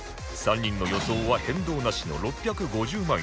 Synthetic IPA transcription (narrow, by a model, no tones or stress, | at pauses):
sãɲ̟ːĩnːo̞jo̞so̞ːβahẽ̞nd̪o̞ːnaɕino̞̰ɾo̞pʲːjakɯ̟ɡo̞ʑɨːmã